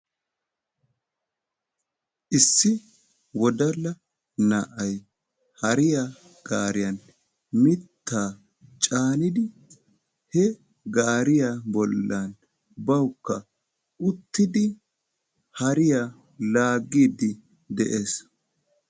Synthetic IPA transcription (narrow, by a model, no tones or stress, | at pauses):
ʔɪsːɪ | wɔd̪ɐlːɐ | nɐʔɐj | hɐɾɪjaː | ɡ̥aːɾɪjɐn | mɪt̪ːaː | t͡ʃʼaːnɪd̪ɪ | hɛ | ɡaːɾɪjaːbɔlːan | bɐwkːɐ | ʔʊt̪ːɪd̪ɪ | hɐɾɪjaː | laːɡːiːd̪ɪ | d̪ɛʔeːs